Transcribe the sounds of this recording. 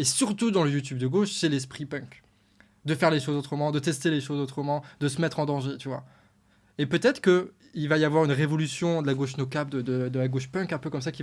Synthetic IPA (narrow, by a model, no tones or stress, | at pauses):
esyʁt̪ud̪ɑ̃ləjut̪̬ybd̪əɡoʃsɛlɛs̬pχipœ̃k | d̪əfɛʁleʃozot̪χəmɑ̃d̪ət̪ɛst̪eleʃozot̪χəmɑ̃d̪əsəmɛt̪χɑ̃d̪ɑ̃ʒet̪yvwa̰ | epøt̪ɛt̪χə̥kə | ilvajavwaʁynʁevɔlysjɔ̃d̪əlaɡoʃnokap̚d̪əd̪əd̪əlaɡoʃpœ̃kɛ̃pøkɔms̬akʲi